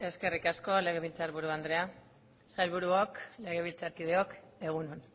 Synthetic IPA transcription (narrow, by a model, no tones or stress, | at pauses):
e̞ske̞rikasko̞le̞ɣeβilt͡saɾβuɾuand̪ɾe̞a | sajlβuɾuokle̞ɣ̞eβilt͡saɾkið̞eo̞ke̞ɣunun